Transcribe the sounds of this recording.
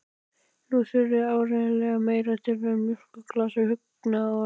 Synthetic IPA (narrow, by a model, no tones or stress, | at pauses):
nuθʏɾʏaːwɾeːnalɛɣameːjɾat̪ʰɪlvɛɾmjʏr̥kʏkʰlaːsʏhʏk̚ | naaa